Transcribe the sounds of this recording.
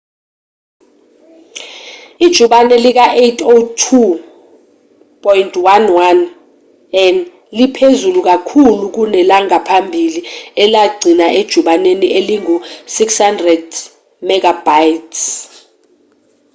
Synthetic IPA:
id̥ʒ̥ʱuɓanɛlik̬aʔejtʰʼotʰu | pʼɔjntʰʼwanwan | ɛn | lipʰezuluk̬akʰuluk̬unɛlaŋapʰambʱiliɛlaɡ͡ǀʱinaʔed̥ʒ̥ʱuɓanenieliŋusikshandrɛd | mɛɡʱabajtʰs

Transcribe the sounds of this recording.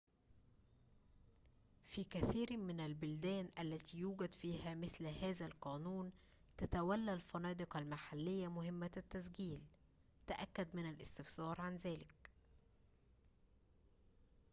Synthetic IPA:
fiːkæθiːɾmɪnælbʊld̪æːnʔælːæt̪iːjuːɡæd̪fiːhæmɪθlhæːzælqɑːnuːn | t̪æt̪æwælːælfɑnɑːd̪ɨqɑlmaħalːɪjːæmʊhɪmːæt̪ːæsɡiːl | t̪aʔækːæd̪mɪnælʔɪ̰st̪ɪfsɑːɾˤʕanzæːlɪk̚

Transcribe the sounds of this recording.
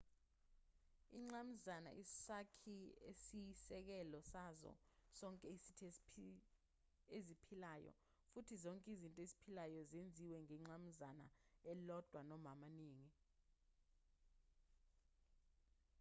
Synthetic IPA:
ḭŋ͡ǀam̩zana̰ʔisakʰiesisɛk̬ɛlɔsazɔ̰sɔŋkʼɛisitʰi | ezipʰilaːjɔ̰ | futʰizɔŋkʼizintʼɔezi̥pʰilajɔzend͡zʱiwɛŋɛŋ͡ǀam̩zana̰ɛlɔd̥ʱwanɔmamaniːŋi

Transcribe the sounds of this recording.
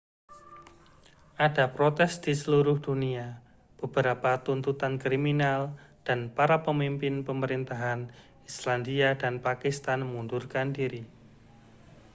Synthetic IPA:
ʔadapɾot̪ɛsd̥isəluɾʊhd̥unia | b̥əbəɾapat̪unt̪ut̪ankɾiminald̥anpaɾapəmimpɪnpəməɾint̪aɦan | islandiadanpakist̪anmundʊrkandiɾi

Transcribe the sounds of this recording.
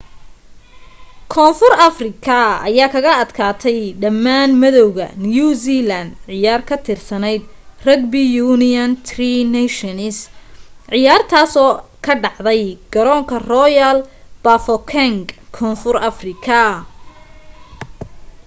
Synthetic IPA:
kʰɔːnfʊrɐfrɪkʰɐɐ̰jaːkʰɐɣɐɐd̪kʰaːt̪ʰɛjɖɐmːaːnmɛðɔwɣɐ̰njuːsilɐnd̪ʕɪjaːrkʰɐt̪ʰɪrsɐnɛjd̪rɐɡ̚bijuːnɪɐnt̪ʰrinɛʃɔnɪsʕɪjaːrt̪ʰaːsɔːkʰɐɖɑʕðɛjɡ̥ɐɾɔːŋkʰɐrɔjɐlb̥ɐfɔkʰɛŋɡkʰɔːnfʊrɐfrɪkʰɐ

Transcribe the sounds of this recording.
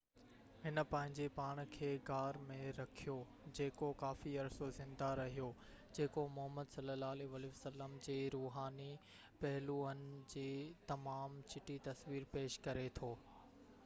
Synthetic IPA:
hɪnə̆pɐ̃ɦɪ̃ɲd͡ʑepaːɽ̃kʰeːɡaːɾmẽɾɐkʰijo | d͡ʑeːkokaːfiɐɾsozɪ̃nd̪aɾɐɦijo | d͡ʑeːkomʊɦəmːəd̪sɐləlaːleʋaːleʋɐsəlːəmd͡ʑeːɾuːɦaːni | pɐɦɪluənɪ̆d͡ʑeːt̪ɐmaːmt͡ɕɪʈit̪ɐsʋiːɾpeːʃkɐɾet̪ʰoː

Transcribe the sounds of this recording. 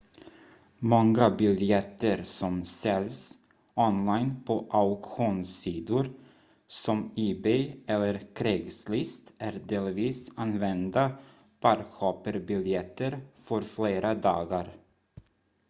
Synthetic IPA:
mɔŋːabɪljɛt̪ːəɾsɔmsɛls | ɔnlajnpʰɔʔaʉkɧuːnsiːd̪ʊɾ | sɔmiːbɛɛlːəɾkʰɾeːɡslɪst̪æɾɖ̪eːlviːsanvɛnd̪a | pʰaɾɧʰɑːpəɾbɪljɛt̪ʰːəɾfœɾfleːɾad̪ɑ̰ːɡaɾ

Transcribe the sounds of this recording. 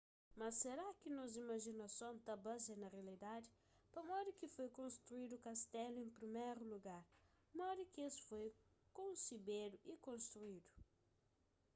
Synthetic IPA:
mɐsːeɾakɪnozimɐʒinɐsõnt̪ɐbazɐnɐʁealid̪adɪ | pɐmɔd̪ʊkɪfojkõnst̪ɾuid̪ukast̪ɛlʊẽmpɾimejɾuluɡaɾ | mɔd̪ukɪesfojkõnsibed̪ʊʔikõnst̪ɾuid̪u

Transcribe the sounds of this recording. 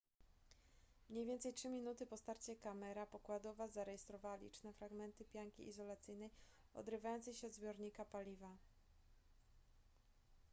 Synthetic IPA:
mɲejvʲjɛnt̪sɛjtʂɘmʲinut̪ɘpɔst̪aɾt͡ɕɛkamɛɾapɔkwad̪ɔvazaɾɛjɛst̪ɾɔvawalʲḭt͡ʂnɛfɾaɡmɛnt̪ɘpʲjaŋkʲḭʔːzɔlat̪sɘjnɛj | ɔ̰d̪ɾɘvajɔnt̪sɛjɕɛɔd̪zbʲjɔɾɲikapalʲiva

